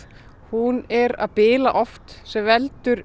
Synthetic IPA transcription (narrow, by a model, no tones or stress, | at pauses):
hunɛɾa̰ðpɪːlaʔɔft̪sɛmvɛlt̪ʏɾ